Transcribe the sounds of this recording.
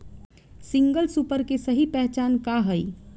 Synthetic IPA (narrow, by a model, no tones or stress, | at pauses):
sɪ̃ŋɡəlsupəɾkesəɦipɛɦt͡ʃaːnkaɦəi